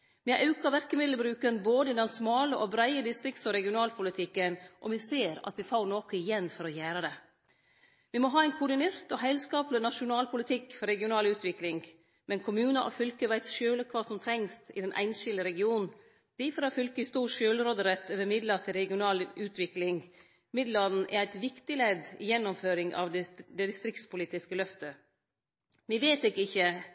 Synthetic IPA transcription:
ʋɪʔɑʉkɑʋæɾkəmɪd̪ləbɾʉːkənboːd̪əɪd̪ɛnsmɑːləʔɔbɾæɪəd̪ɪst̪ɾɪkt̪sɔɾɛɡɪʊnɑːlpʰʊlɪt̪ʰɪkːənʔɔʋɪseːɾɑ̰t̪ʋɪfɑʊnoːkəɪjɛnːfɔɾɔjæːɾəd̪ɛ | ʋɪmɔɦɑːæɪnkʰʊɖɪneːɾt̪ɔɦæɪlskɑːplɪnɑʂʊnɑːlpʰʊlɪt̪ʰɪkːfɔɾɛɡɪʊnɑːlʉːt̪ʋɪklɪŋɡ | mɛnkʰʊmʉːnɑʔɔ̰fʏlkəʋæɪt̪ʃøːləkʰʋɑːsɔmt̪ʰɾɛŋst̪ɪ̰d̪ɛnʔæ̰ɪnʃɪləɾɛɡɪuːnn | d̪̥ifɔɾɑfʏlkəɪst̪uːʂøːlɾoːd̪əɾɛt̪øːʋəmɪd̪lət̪ʰɪlɾɛɡɪʊnɑːlʉːt̪ʰʋɪklɪŋ | mɪd̪lɑd̪n̩ʔɛ̰ɾæɪt̪ʋɪkt̪ɪlɛd̪ɪ̰jɛnːʊmføːɾɪŋɑ̰ʋ̪d̪ɛd̪ɪst̪ɾɪk̚t̪spʊliːt̪ɪskəlœft̪ə | ʋɪʋeːt̪ɪkːəɪçːə

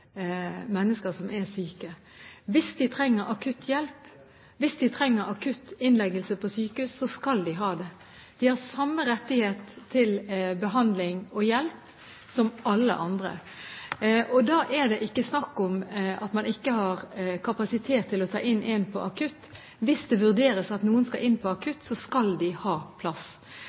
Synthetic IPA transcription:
mɛnːəskəɾsɔmʔɛsyːkə | ʋɪsd̪ɪt̪ʰɾɛŋːəɾʔɑkʰʉt̪ʰːjɛlp | ʋɪsd̪ɪt̪ʰɾɛŋːəɾɑkʰʉt̪ːɪnlɛɡəlsəpʰɔsyːkəhʉːsːɔskɑld̪ɪɦɑːd̪ɛ | d̪̥ɪhɑɾsɑmːəɾɛt̪ːɪheːt̪ʰːɪlbəɦɑnd̪lɪŋɔjɛlp | sɔmɑlːə̰ʔɑnd̪ɾə̰ | ʔɔd̪ɑːʔɛɾd̪ɛʔɪkːəsnɑkːɔmɑt̪mɑnɪkːəɦɑɾkʰɑpɑsɪt̪ʰeːt̪ʰːɪlɔt̪ʰɑ̰ːʔɪnʔɛnpʰɔʔɑkʰʉt̪ː | ʋɪsd̪ɛʋʉʁd̪eːɾəsɑt̪nuːənskɑʔɪnːpʰɔɑkʰʉt̪sɔskɑld̪ɪhɑːpʰlɑs

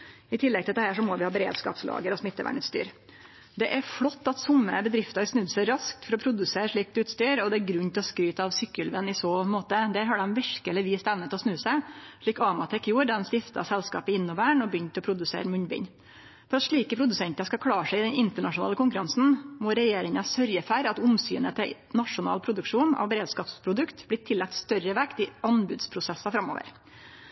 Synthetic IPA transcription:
ɪt̪ʰɪlːɛɡ̚t̪ʰɪld̪ɛhæːʂɔmɔʋɪhɑːbəɾḛːd̪skɑ̰ːpslɑ̰ːɡəɾɔsmɪt̪ːəʋæ̰ːɳʉːt̪st̪y̰ːɾ | d̪ɛʔæɾflɔt̪ːɑt̪sʊmːə̰bəd̪ɾɪft̪ɑsnʉd̪səɾɑsk̚t̪fɔɾɔpʰɾʊd̪ʉseːɾʂɭiːk̚d̪ʉːt̪st̪yːɾɔd̪ɛæɾɡɾʉnt̪ʰɪlɔskɾyːt̪əɑʋsʏkːəlʋənɪsoːmoːt̪əd̪æːɾɦɑɖɛmʋɪɾkəɛləʋiːst̪ɛʋnət̪ɪlɔsnʉːsæɪʂɭiːkɑmɑt̪ʰɛkːjuːɾd̪ɑɛnst̪ɪft̪ɑ̰sɛlskɑ̰ːpəɪnːʊʋæːɳɔbjʏnt̪ɔpʰɾʊd̪ʉsḛːɾəmʉɲbɪ̰n | fɔɾɑt̪ʂɭiːkəpʰɾʊd̪ʉsɛnt̪ɑskɑkʰlɑːʂæɪɪd̪ɛnɪnt̪əɳɑʂʊnɑːləkʊŋkʉɾɑnsn̩mɔɾɛjeːɾɪŋɑsœɾjəfæɾɑt̪ʊmsy̰ːnət̪ʰɪ | nɑʂʊnɑ̰ːlpʰɾʊd̪ʉkʂuːnɑ̰ʋbɾeːd̪skɑːpspʰɾʊd̪ʉkt̪blɪt̪ʰɪlːæk̚t̪st̪œɾəʋɛkt̪ɪɑnbʉ̰ːd̪spʰɾʊsɛsːɑfɾɑmːo̰ːʋə̰ɾ

